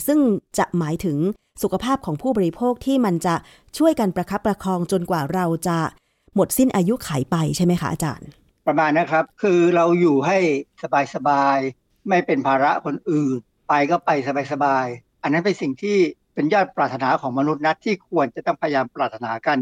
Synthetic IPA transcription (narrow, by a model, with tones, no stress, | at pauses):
sɯ˥˩ŋt͡ɕa˨˩ʔmaː˩˦jt̪ʰɯ˩˦ŋ | su˨˩kʰa˧pʰaː˥˩p̚kʰɔː˩˦ŋpʰuː˥˩bɔː˧ɾi˦˥pʰoː˥˩k̚t̪ʰiː˥˩ma˧nt͡ɕa˨˩ʔ | t͡ɕʰu˥˩əjka˧npɾa˧kʰa˦˥p̚ːɾa˧kʰɔː˧ŋt͡ɕo˧nkwaː˨˩ɾa˧wt͡ɕa˨˩ | mo˨˩t̪̚si˥˩nʔaː˧ju˦˥kʰaː˩˦jpa˧jt͡ɕʰa˥˩jma˦˥jkʰa˦˥ʔaː˧t͡ɕa̰ː˧n | pɾa˧maː˧nːa˦˥kʰɾa˦˥p̚kʰɯː˧ɾa˧wjuː˨˩ɦa˥˩jsa˧baː˧jsa˧baː˧j | ma˥˩jpe˧npʰaː˧ɾa˦˥kʰo˧nʔɯː˨˩n | pa˧jkɔː˥˩pa˧jsa˧baː˧jsa˧baː˧j | ʔa˧nːa˦˥npe˧nsi˨˩ŋt̪ʰiː˥˩pe˧njɔː˥˩t̪̚pɾaː˨˩t̪ʰːa˧naː˩˦kʰɔː˩˦ŋma˧nu˦˥t̪̚na˦˥t̪ʰːiː˥˩kʰu˧ənt͡ɕa˨˩t̪ɔ˥˩ŋpʰa˧ja˧jaː˧mpɾaː˨˩t̪ʰːa˧naː˩˦ka˧n